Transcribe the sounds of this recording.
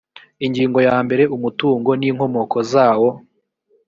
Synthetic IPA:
iɲɡiːŋɡo̞jaːmbe̞ɾe̞ʔumutuːŋɡo̞niːŋho̞mo̞kʰo̞zaːwo

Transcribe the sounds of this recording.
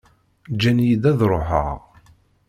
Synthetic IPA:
d͡ʒænjid̪æðɾˤoħə̰ʁ

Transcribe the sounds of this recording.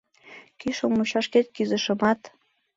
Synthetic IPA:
kyʃomːuɕɑʃket̪̚kyzə̆ʃə̆mɑt̪

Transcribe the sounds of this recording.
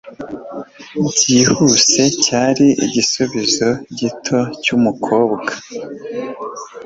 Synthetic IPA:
bɟiːhuse̞caːɾiḭɟisuβizo̞ɟitʰo̞cumukʰo̞ːbɡa

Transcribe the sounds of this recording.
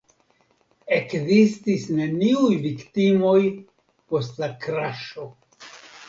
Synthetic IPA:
e̞kzistisne̞niujviktimo̞j | po̞stlakɾaʃo̞

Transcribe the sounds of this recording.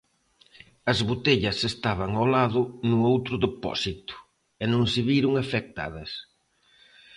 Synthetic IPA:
ɐzβut̪eʎɐsest̪aβ̞ɐŋawlaðʊnʊowt̪ɾʊðepɔ̰sit̪ʊ̥ | ɛnõŋsɪβiɾʊŋafek̚t̪a̰ðɐs

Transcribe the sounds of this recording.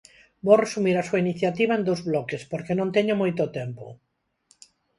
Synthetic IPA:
boresumiɾasuainiθjat̪iβ̞aend̪owzβlɔkespoɾkenõnt̪eɲomojt̪ot̪empo

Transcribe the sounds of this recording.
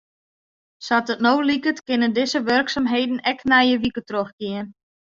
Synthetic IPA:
satətnowlikətkɪnəndɪzəʋørksamɦejdn̩ɛknɛjəʋikətroxkɪən

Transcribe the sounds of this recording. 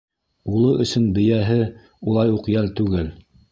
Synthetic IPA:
ulˠɤʔɵ̆sɵnbɘ̆jæɦɘ | ulˠɑjuqjælt̪ʉɡɘl

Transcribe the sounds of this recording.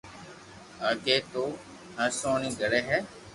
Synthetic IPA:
əɡeːt̪oː | ɦə̃soːnĩːɡəɽeːɦɛː

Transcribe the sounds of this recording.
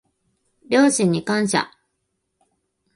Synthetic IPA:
bʲo̞ːɕĩɲ̟ːikãɰ̃ɕa̰

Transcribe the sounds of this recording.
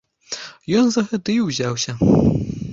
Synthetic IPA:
jɔnzɐɣɐd̪ɨjuwzʲawsʲɐ

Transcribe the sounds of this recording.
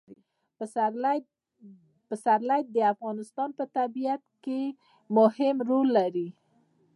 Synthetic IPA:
pəsaɾlajd̪̚d̪əafɣɑnɪst̪ɑnpət̪abijat̪ke | mʊhɪmɾolːaɾi

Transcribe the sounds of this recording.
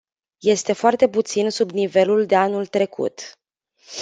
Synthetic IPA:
je̞st̪e̞foart̪e̞put̪sinsubnive̞luld̪e̞anult̪ɾe̞kʰṵt̪

